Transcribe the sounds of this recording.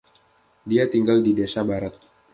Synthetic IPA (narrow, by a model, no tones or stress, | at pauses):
diat̪iŋɡaldidesabaɾat̪̚